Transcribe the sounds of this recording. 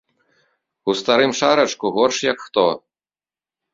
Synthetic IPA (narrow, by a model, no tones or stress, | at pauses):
ust̪aɾɨmʂaɾɐt͡ʂkuɣɔrʂjɐkxt̪ɔ